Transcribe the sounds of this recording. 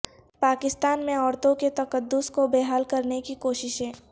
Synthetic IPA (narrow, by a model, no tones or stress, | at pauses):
paːkɪst̪aːnmẽɔːɾt̪õket̪ɐkəd̪ːʊskobeːɦaːlkɐɾnekikoːʃɪʃɦɛ̃ː